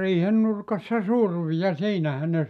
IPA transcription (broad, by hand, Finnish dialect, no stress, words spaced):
riːhen nurkɑsːɑ surʋi jɑ siːnæhæ ne